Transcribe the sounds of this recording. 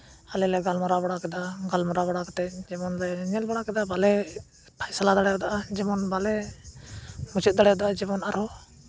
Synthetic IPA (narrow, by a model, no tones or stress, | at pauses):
alɛlɛɡalmɔɾabaɽakɛd̪aɡalmɔɾabaɽakt̪ɛd͡ʒɛmɔnlɛɲɛlbaɽakɛd̪abalɛ | pʰajsalad̪aɽɛjɔd̪aʔad͡ʒɛmɔnbalɛ | mut͡ʃut̪̚d̪aɽɛjɔd̪aʔad͡ʒɛmɔnaɾɔ